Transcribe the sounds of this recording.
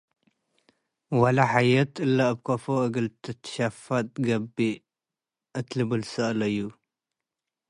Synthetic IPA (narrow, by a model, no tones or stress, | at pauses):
walaħajɐt̪ʰɨlːabkʰɐfoʔɨɡɨlt̪ʰɐt̪ʰʃafat̪̚ɡɐbi | ʔɨt̪lɨbɨlsɨʔlɐjːu